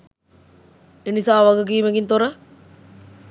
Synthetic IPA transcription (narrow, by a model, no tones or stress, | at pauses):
enisaːʋaɡəɡiːmeɡint̪oɾə